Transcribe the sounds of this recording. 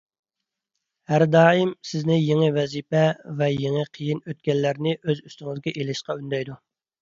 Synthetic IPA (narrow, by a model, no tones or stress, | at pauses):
hæɾd̪ɑːimsɪznɪjeŋɨvɛzipɛvɛjeŋɨqʰəjinøt̪̚kʲɛlːæɾnɪʔøzyst̪ɪŋɪzɡʲɛʔelɪʃqɑynd̪ɛjd̪u